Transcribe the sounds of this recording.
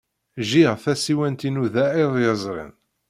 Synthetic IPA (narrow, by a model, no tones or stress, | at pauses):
ʒiʁθæsiwænt̪inuðæiðˤjəzˤɾˤḭn